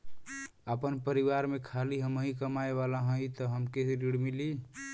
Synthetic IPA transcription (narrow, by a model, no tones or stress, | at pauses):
əpənpəɾiʋaɾmekʰaliɦəməɦĩkəmaeβalaɦə̃jt̪ɔɦəmkeɾiɽmili